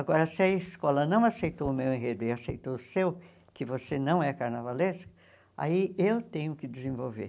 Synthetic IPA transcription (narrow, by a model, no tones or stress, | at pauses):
aɡɔɾɐsɪɐɪskɔlɐnɐ̃w̃asejt̪owʊmewẽɦed̪ʊɪasejt̪owʊsew | kɪvosenɐ̃w̃ɛkaɾnavalẽskɐ̥ | a̰iewt̪ẽɲʊkɪd̪ɪzẽvowvḛ